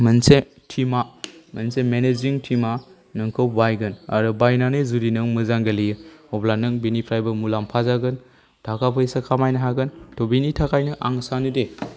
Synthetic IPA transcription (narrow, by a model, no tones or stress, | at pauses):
mɯnse | tʰimamɐnsemeneziŋtʰima | nɯŋkʰɯwbajɡɯna̰ɾɯbajnanɯzuɾinɯŋmɯzaŋɡɐlijɯɔblanɯŋbinipʰɾajbɐmulampʰazaɡɯn | dʰʱakʰapʰɯjsakʰamajnɐɦaɡɯntobinitʰakʰajnɯʔaŋsanɯde